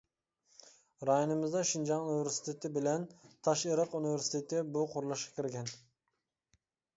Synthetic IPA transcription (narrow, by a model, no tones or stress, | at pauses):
ɾɑjonɨmɨzd̪ɑʃɪnd͡ʒɑŋunɪveɾsɪ̥t̪ʰet̪ɪbɪlɛnt̪ʰɑʃeɾəqunɪveɾsɪ̥t̪ʰet̪ɪbuqʰoɾɨlˠɨʃqɑ̥kʲʰɪɾɡʲɛn